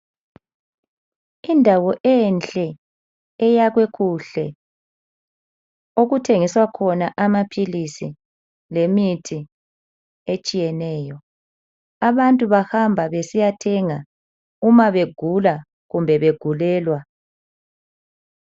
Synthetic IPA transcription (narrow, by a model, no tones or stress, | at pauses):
indʱawɔʔɛnt͡ɬʼɛ | ɛjaɣwekʰuɬɛ | oɣutʰeŋiswakʰɔnaʔamapʰilisi | lemitʰi | et͡ʃʼijɛnɛːjɔ | aβantʼuβahambʱaβesijatʰɛŋa | umaβeɡ̥ʱula | ɣumbʱɛβeɡ̥ʱulɛːlwa